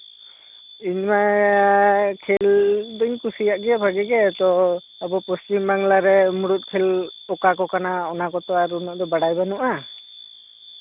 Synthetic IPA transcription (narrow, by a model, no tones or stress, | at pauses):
iɲma | kʰɛld̪ɔɲkusijaʔɡɛjabʱaɡɛɡɛt̪ɔ | abɔpɔst͡ʃimbaŋlaɾɛmuɽut̪̚kʰɛlɔkakɔkanaɔnakɔt̪ɔaɾunɔʔd̪ɔbaɽajbanuʔa